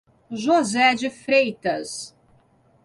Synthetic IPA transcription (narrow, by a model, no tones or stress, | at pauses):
ʒɔzɛd͡ʒɪfɾejt̪ʰɐz̥